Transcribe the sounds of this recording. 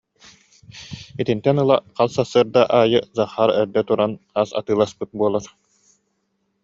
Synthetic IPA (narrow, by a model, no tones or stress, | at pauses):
it̪int̪ɛnɯlˠaqalˠsasːɯːɾd̪aʔaːjɯzaχːaɾɛɾd̪ɛt̪uɾanaːsa̰t̪ɯːlˠaspɯt̪̚buɔlˠaɾ